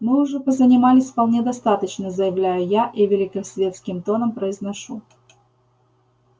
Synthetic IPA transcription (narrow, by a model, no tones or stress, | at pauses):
mɨʊʐɛpəzənʲɪmalʲɪsʲfpɐlˠnʲed̪ɐst̪at̪ət͡ɕnəzəjɪvlʲæjʊjaʔivʲɪlʲɪkəsʲvʲe̞t̪skʲɪmt̪o̞nəmpɾəɪznɐʂu